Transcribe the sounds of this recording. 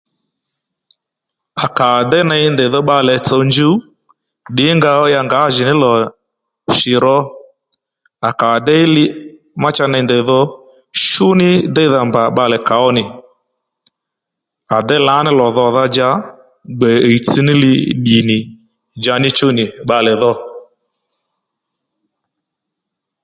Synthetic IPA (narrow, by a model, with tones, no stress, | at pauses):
a˨ka˨dɛ˦na˧˦ndɛ˨ðɔ˦ɓa˧lɛ˨t͡sə˧nd͡ʒu˦ | ɗɪ˨˦ŋɡa˧˦ja˧ŋɡa˨˦ʒɪ˨nɪ˦lɔ˨ | ʃɪ˨ɾɔ˧ | a˨ka˨dɛ˦lɪ˧ | ma˦t͡ʃa˧na˧ndɛ˨ðɔ˧ | ʃʊ˦nɪ˦dɛ˦i˦ða˧mba˨ɓa˧lɛ˨ka˨˦ɔ˦nɪ˨ | a˨dɛ˦la˨˦nɪ˦lɔ˨ðɔ˧˨ða˧d͡ʒa˧˦ | ɡ͡bɛ˨i˨t͡si˧nɪ˦lɪ˧ɗi˨nɪ˨ | d͡ʒa˧nɪ˦t͡ʃʊ˦nɪ˨ɓa˧lɛ˨ðɔ˧